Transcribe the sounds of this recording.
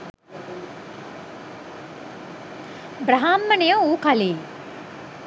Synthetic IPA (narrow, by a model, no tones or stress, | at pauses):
bɾɐɦaːmːɐnejouːkali